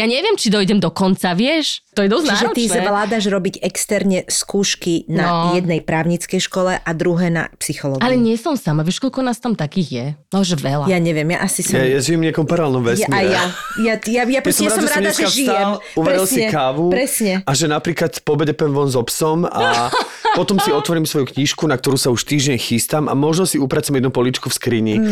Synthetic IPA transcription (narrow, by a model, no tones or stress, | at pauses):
jaɲɛʋɪɛmt͡ʃid̪ɔjɟɛmd̪ɔkɔnt͡saʋɪɛʃt̪ɔjɛd̪ɔt͡ʃ̪iʒɛɔzɛʋlaːd̪aʒɾɔbiɟɛkst̪ɛɾɲɛskuːʃkinajɛd̪̚nɛjpɾaːʊɲit͡skɛjʃkɔlɛʔad̪ɾuɦɛːna̰psixɔlɔɡalɛɲɪɛsɔmsamaʋɪɛʃkɔʎkɔnaːst̪amt̪akiːɣjɛaɛʒɛʋɛlajaɲɛʋɪɛmja̰ʔasisjajaʒijɛmɲɪakɔmpaɾalnɔmʋɛsamiajajajajapjasɔmaasɔmɾaɔːmɛaɛaʒijɛmuʋɛɛɾislsɲiɛkaːʋupɾɛsɲɛaʒɛnapɾiːklat̪pɔbɛɟɛpɛmʋɔnzɔpsɔma̰pɔt̪ɔmsiɔt̪ʋɔɾimsʋɔjukɲiʃkunak̚t̪ɔɾuːsauʃt̪iːʒɟɛɲxist̪ama̰mɔʒnɔsiupɾat͡suamɛd̪nupɔlit͡ʃkufskɾiɲi